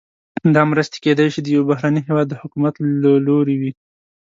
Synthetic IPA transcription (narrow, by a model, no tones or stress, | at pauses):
d̪ɑmɾəst̪e̥ked̪ajʃid̪əjawbaɦɾaniɦewɑd̪ːəhʊkumat̪laloɾewi